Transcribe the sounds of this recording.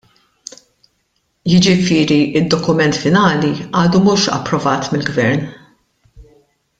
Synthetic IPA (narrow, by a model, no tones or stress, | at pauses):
jɪd͡ʒɪfɪːɾiʔɪd̪ːɔkʊmɛnt̪fɪnɐːliɐːd̪umuːʃɐ̰pːɾɔvɐːt̪mɪlɡvɛɾn